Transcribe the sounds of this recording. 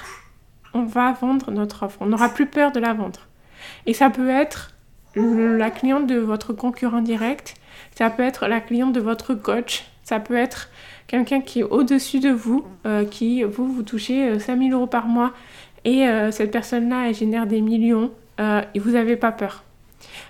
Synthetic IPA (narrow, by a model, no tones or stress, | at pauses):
ɔ̃vavɑ̃d̪ʁənɔt̪χɔfχɔ̃nɔʁaplypœʁd̪əlavɑ̃d̪ʁ | esapøɛt̪χ | laklijɑ̃t̪̚d̪əvɔt̪χəkɔ̃kʲyʁɑ̃d̪iʁɛkt̪sapøɛt̪χlaklijɑ̃t̪̚d̪əvɔt̪χəkɔt͡ʃ | sapøɛt̪χ | kʲɛlkʲɛ̃kʲiɛʔod̪əsyd̪əvuøkʲivuvut̪uʃeøsɛ̃miløʁopaʁmwa | eøsɛt̪̚pɛʁsɔnlaɛlʒenɛʁd̪emiljɔ̃ | øevuzavepapœːʁ